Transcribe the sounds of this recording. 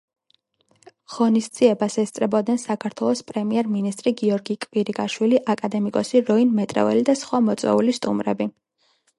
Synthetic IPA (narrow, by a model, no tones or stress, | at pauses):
ʁ̥ɔnist̪d̪z̥iɛbasɛst̪sʼɾɛbɔd̪̚nɛnsakʰaɾt̪ʰwɛlˠɔspʼɾɛmiɛɾminist̪ʼɾiɡiɔɾɡikʼviɾikʼaʃwiliʔakʼad̪ɛmikʼɔsiɾɔinmɛt̪ʼɾɛ̰vɛlid̪asχwamɔt̪sʼwɛ̰ulist̪ʼṵmɾɛ̰bi